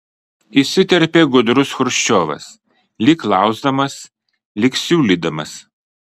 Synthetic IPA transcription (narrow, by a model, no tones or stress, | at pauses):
isʲɪt̪ʲɛɾʲpʲeːɡʊd̪ɾʊsxʊɾʃʲt͡ʃʲoːʋɐ̰s | lʲɪklˠɑˑʊzd̪ɐmɐs | lʲɪksʲuːlʲiːd̪ɐmɐs